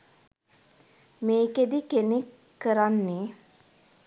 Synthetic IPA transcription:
meːked̪ikenekː | əɾanːe

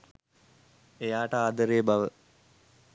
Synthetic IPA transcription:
ejaːʈəaːd̪əɾeːbaʋə

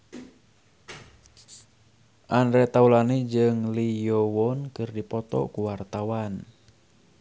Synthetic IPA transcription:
ʔanɾɛt̪aulanid͡ʒɨŋlijowɔnkɨrdipɔt̪ɔ̰kuwart̪awan

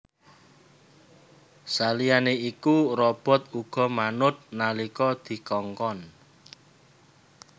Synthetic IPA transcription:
salijaneikuɾɔb̥ɔ̤t̪uɡ̥ɔ̤manʊt̪̚nalikɔd̪̥i̤kɔŋkɔn

